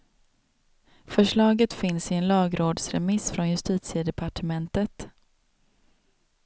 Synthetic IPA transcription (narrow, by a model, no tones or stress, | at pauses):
fœʂɭɑːɡət̪fɪnsɪɛnlɑːɡɾoːd̪sɾɛ̰mɪsfɾɔnjɵst̪iːt̪sɪəd̪ɛpʰaʈʰəmɛnt̪ət̪